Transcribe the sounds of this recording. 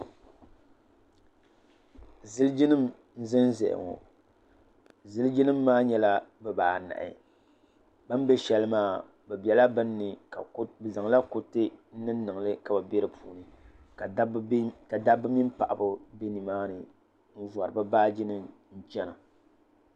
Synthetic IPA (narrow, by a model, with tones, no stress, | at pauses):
zɨ˦ld͡ʒi˦nɨ˦m | n̩˦zɨ˦n˦zɛ̰˨ʔɪ̰˨ŋo̰˨ | zɨ˦ld͡ʒi˦nɨ˦mːaː˦ɲɛ˦la˦bɛ˨baː˨na̰˨ʔɪ̰˨ | ba˦mbɛ˦ʃɛ˦lɨ˦maː˦˨ | bɛ˨bɛ˨la˦bɨ˦nːɨ˨ka̰˨˦bɨ˨za˨ŋ˨la˦ko˨tɨ˦n̩˦nɨ˦nː˦ɨ˨ŋ˨lɨ˦ka˨ba˨bɛ˦ɾɨ˦pʰuː˨nɨ˨ | ka˨˦ka˨da˦bɨ˦mi˦mpa˨ʔa˨bʊ˦be˦ni˨maː˦nɨ˨ | n̩˦va˨ɾɨ˨ba˦baː˦d͡ʒi˦nɨ˦m | n̩˦t͡ʃɛ˦na˨